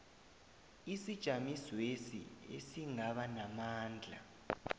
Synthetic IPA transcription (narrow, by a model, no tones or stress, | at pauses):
isid̥ʒ̥ʱamiswesḭḛsiŋaɓanamaːnd͡ɮʱa̰